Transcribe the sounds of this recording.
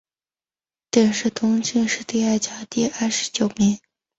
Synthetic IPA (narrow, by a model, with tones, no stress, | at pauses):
t̪jɛ˥˩nʂɻ̩˥˩t̪ʰʊ˧˥ŋt͡ɕi˥˧ŋʂɻ̩˥˧t̪i˥˧a˥˩ɪt͡ɕjɑ˨˩t̪i˥˧a˥˩ʂɻ̩˧˥t͡ɕjo˨˩ʊmi˧˥ŋ